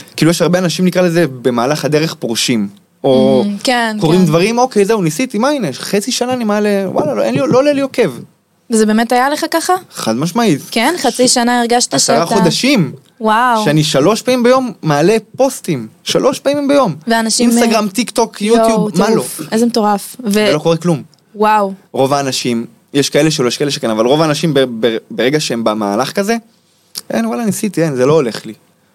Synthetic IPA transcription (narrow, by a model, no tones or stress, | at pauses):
kiːlujeɛʃhaʁbeanaʃimnikʁalezebe̞maːlaχad̪e̞ʁeχpʁoʃim | o̞kenko̞ʁimd̪vaʁimo̞ke̞jzeunisit̪imaineχet͡siʃanaːnimaːle̞wa̰laloenlilolelioke̞v | vezebeːmetajaleχakaχaχa̰d̪maʃmaitkenχat͡siʃanaiʁɡaʃt̪iaʃaʁaχodaʃim | wawʃeaniʃalo̞ʃpaĩmbejo̞mːaːle̞po̞stimʃa̰lʔo̞ʃpamimbejo̞mveanaʃiinmst̪aɡʁamt̪ikt̪o̞kjut̪jubmmaloezemet̪oʁafvelo̞ko̞ʁeklum | wawʁo̞vaːnaʃim | jeʃkae̞leʃ̬elojeʃkaeleʃekenavalʁovaːnaʃimbebebeʁeɡaʃeembama̰ːlaχkaze̞ | kḛnwalanisit̪ienzelo̞ːle̞χli